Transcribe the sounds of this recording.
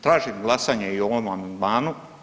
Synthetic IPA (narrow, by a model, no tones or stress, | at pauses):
t̪ɾaːʒimɡlˠasaːɲeio̞ʋomamand̪maːnu